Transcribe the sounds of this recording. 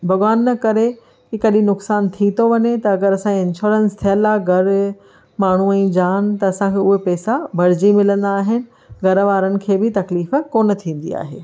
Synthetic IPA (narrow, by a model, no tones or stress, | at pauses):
bʱɐɣʋaːnːɐkɐɾe | kikɐɗĩnʊksaːnt̪ʰit̪ʰoʋɐɲet̪ɐɐɡəɾɐsãɪnʃoːɾə̃nst̪ʰijəlaɡʱɐɾ | maːɳ̤uɛ̃ːd͡ʑaːnt̪ɐɐsãkʰeːʊɦepɛːsabʱɐɽ̤ɪd͡ʑimɪlə̃nd̪aːɦɪnɪ̆ | ɡʱɐɾʋaːɾənɪ̆kʰeːbɪt̪ɐkliːfkoːnə̆t̪ʰĩːn̆d̪ḭa̰ːɦḛː